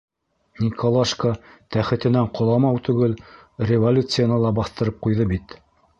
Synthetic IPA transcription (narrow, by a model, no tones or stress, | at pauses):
nʲikʰolˠaʃkət̪æχɘ̆t̪ɘ̆næɴqʰŏlˠɑmɑwt̪ʉɡɘl | rʲɪvolʲut̪sɨjanɑlˠɑbɑθt̪ɤ̆ɾɤp̚qujðɤbit̪